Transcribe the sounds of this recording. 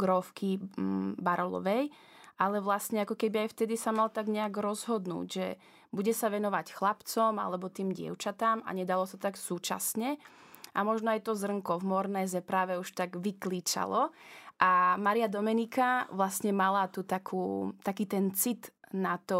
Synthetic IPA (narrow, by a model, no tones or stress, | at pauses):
ɡɾɔfkibaɾɔlɔ̰ʋɛj | ʔalɛʋlasɲɛakɔkɛbiajft̪ɛd̪isamalt̪aɡɲɛaɡɾɔzɦɔd̪nṵːɟʒɛ | buɟɛsaʋɛnɔʋacxlapt͡sɔma̰lɛbɔt̪iːmɟɪɛ̰ʊt͡ʃat̪ama̰ɲɛd̪alɔsat̪t̪aksuːt͡ʃa̰sɲɛ | ʔamɔʒnɔajt̪ɔzr̩ŋkɔvmɔɾnɛːzɛpɾaːʋɛuʃt̪aɡʋikliːt͡ʃa̰lɔʔamaɾiad̪ɔmɛnikaʋlasɲɛmalat̪ut̪akʰuːt̪akiːt̪ɛnt͡sit̪nat̪ɔ